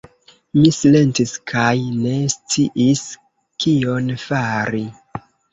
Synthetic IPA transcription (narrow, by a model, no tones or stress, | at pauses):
misile̞ntiskʰajne̞st͡siʔis | kio̞nfaɾi